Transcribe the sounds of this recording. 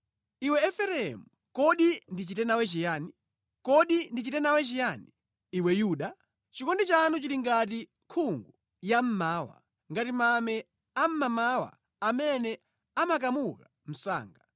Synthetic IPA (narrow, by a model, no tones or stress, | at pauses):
iwɛːfɛɾɛɛ̰mu | kɔɗindit͡ʃitɛnawɛt͡ʃijaːni | kɔɗindit͡ʃitɛnawɛt͡ʃijaːniː | wɛjuːɗa | t͡ʃikɔndɛt͡ʃanut͡ʃiliŋɡati | kʰuŋɡu | jam̩maːwa̰ | ŋɡatimamɛ | am̩mamawa̰ | amɛnɛ | amakamuka | m̩sa̰ːŋɡa